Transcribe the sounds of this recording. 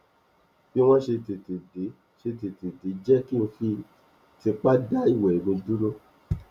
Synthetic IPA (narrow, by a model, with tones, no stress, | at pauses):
fi˦w̃ɔ̃˦ʃe˧ti˨ti˨de˨˦ | ʃe˧ti˨ti˨di˨˦d͡ʒɛ˦ki˦õ˧fi˧ | ti˧k͡pa˦da˦i˦˨wɛ˨i˨ɡõ˧du˦ɾo˦